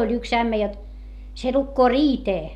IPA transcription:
olʲ yks æmːæ jot se lukːoː riːteː

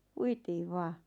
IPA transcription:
puitiːʋ ʋɑː

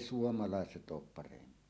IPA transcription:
suomɑlɑˑeset oːp pɑrempˑie

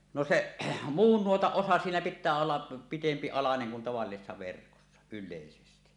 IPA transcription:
no seʔ muːn nuotɑʔ ʔosɑ siːnæ pitˑæː olːɑ pitempi ɑlɑneŋ kun tɑʋɑlːisesːɑ ʋerkosːɑ ylːeˑisesti

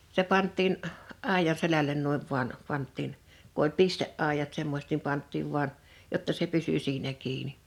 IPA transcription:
se pɑntˑiːn ɑˑijɑn̆ selælen nuiʋ ʋuɑn pɑntˑiːn ku olʲ pisteʔːɑˑijɑt semːosʲĕt nim pɑntˑiːʋ ʋuɑn jotːɑ se pysy siːnæ kiːni

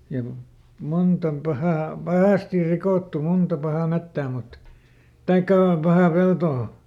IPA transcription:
jɑ ku munt om pɑhɑˑ pɑhɑˑstir rikoˑtːu muntɑ pɑhɑˑ metːæː mut tɑikːɑˑ pɑhɑˑ peltoː

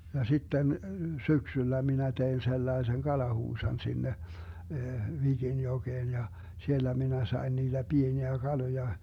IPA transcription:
jɑ sitːen syksylːæ minæ tein selːɑesen kɑlɑhuːsɑn sinːe ʋiɡinjoɡ̊eːn jɑ sielːæ minæ sɑi̯n niːd̥æ b̥ieniæ ɡ̊ɑlojɑ

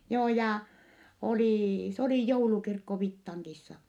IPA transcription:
joː jɑˑ oliˑ s oliˑ joulukirkːo ʋitːɑŋkisːɑ

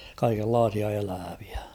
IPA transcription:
kɑikelːɑːsiɑ elæːʋ̥i̥æ̥

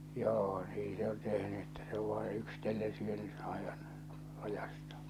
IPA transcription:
joː niː se on tehny etːæ se oʋ ʋɑi yksĭtelːen syøny ɑeʋɑn lɑjɑstɑ̥ː

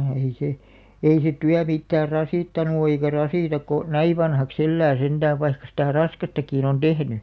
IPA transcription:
ehei se ei se tyæ mitːæːr rɑsiˑtːɑnu o eikæ rɑsiˑtɑk̆ ko næi ʋɑnhɑks elːæː send̥æːʋ̆ ʋɑikːɑ sitæˑ rɑskɑstɑkiˑn on d̥ehny

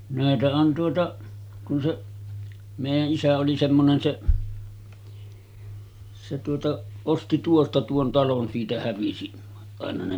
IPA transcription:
næˑetæ on tuotɑ kun seʔ meˑijæʔ ʔisæ oli semːonen seʔ se tuotɑ osti tuostɑ tuon tɑlon siːtæ hæʋisi ɑˑenɑ ne

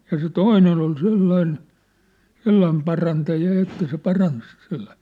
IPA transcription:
jɑ se toinen ol selːɑin selːɑim pɑrɑntɑjɑ jɑ etːæ se pɑrɑns se̥l̥ːɑ̥si̥ː

